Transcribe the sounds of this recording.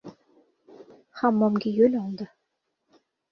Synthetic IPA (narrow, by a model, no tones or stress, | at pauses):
χɑmːɑmɡʲijølʲɑlˠd̪ɤ̆